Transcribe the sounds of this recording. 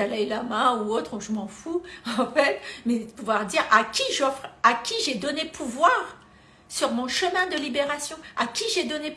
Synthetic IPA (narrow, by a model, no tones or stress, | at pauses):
alɛjlamɛ̃uot̪χuʒəmɑ̃fuɑ̃fɛt̪mɛəpuvwaʁd̪iʁakʲiʒɔfχakʲiʒɛd̪ɔnepʰuvwaːʁ | syʁmɔ̃ʃəmɛ̃d̪əlibeʁasjɔ̃akʲiʒɛd̪ɔne